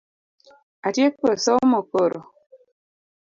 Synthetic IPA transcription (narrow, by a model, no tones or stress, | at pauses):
atjekosɔmokoɾo